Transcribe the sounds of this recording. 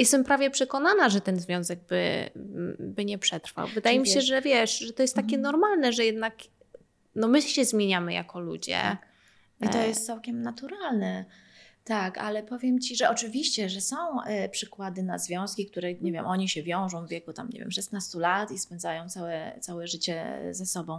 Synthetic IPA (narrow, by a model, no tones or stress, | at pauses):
jɛst̪ɛmpɾavʲjɛpʂɛkɔn̪anaʐɛt̪ɛnzvʲjɔ̃w̃zɛɡ̚bɘ̰ | bɘɲɛpʂɛt̪ɾfa̰wvɘd̪ajɛmʲiɕɛʐɛvʲjɛʂʐɛt̪ɔjɛst̪ːakʲɛnɔɾmalnɛʐɛjɛd̪̚nak | nɔmɘɕɛzmʲjeɲamɘja̰kɔlṵd͡ʑɛ̰ | it̪ɔjɛst̪sawkʲɛmnat̪uɾalnɛ | t̪aka̰lɛpɔvʲjɛmt͡ɕiʐɛʔɔt͡ʂɘvʲiɕt͡ɕɛʐɛsɔ̃w̃pʂɘkwad̪ɘna̰zvʲjɔ̃w̃skʲikt̪uɾɛɲevʲjɛmʔɔɲiɕɛvʲjɔ̃w̃ʐɔ̃w̃vvʲjɛkut̪amɲḛvjɛ̰mʂɛsnast̪ulat̪ispɛnd̪zajɔ̃w̃t̪sawɛt̪sawɛʐɘt͡ɕɛ̰zɛsɔbɔ̃w̃